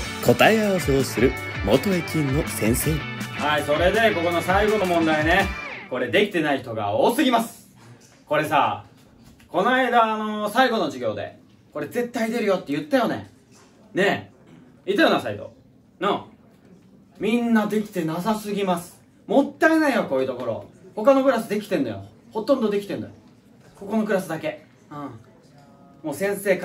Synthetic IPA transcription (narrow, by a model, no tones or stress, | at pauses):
kʰo̞t̪aeaaseosɨɾɯ̟ | mo̞t̪o̞ekʲĩnːo̞sẽ̞ɰ̃se̞ːhaiso̞ɾe̞d̪e̞ko̞ko̞no̞saiɡo̞no̞mõ̞nd̪aine̞ko̞ɾe̞d̪e̞kʲi̥t̪e̞naiçt̪o̞ɡa̰oːsɨɡʲimasɨ̥ | ko̞ɾe̞saː | ko̞naid̪aːno̞saiɡo̞no̞d͡ʑiɡʲo̞̰ːd̪e̞̰ | ko̞ɾe̞ze̞t̪ːaid̪e̞ɾɯ̟jo̞t̪ːejɯ̟t̪ːajonḛ | ne̞ | it̪ajonasait̪o̞̰ | nã | mʲĩnːad̪e̞kʲi̥t̪e̞nasasɨɡʲimasɨ̥ | mo̞t̪ːaenaijoko̞ːjɯ̟ːt̪o̞ko̞ɾo̞̰ho̞kano̞kɯ̟ɾasɨd̪e̞kʲi̥t̪ẽ̞nd̪ajo̰ho̞t̪õnd̪o̞d̪e̞kʲit̪ẽ̞nd̪a̰jo̰ | ko̞ko̞no̞kɯ̟ɾasɨd̪ake̞ | ɯ̃ | mo̞ːsẽ̞ɰ̃se̞ːk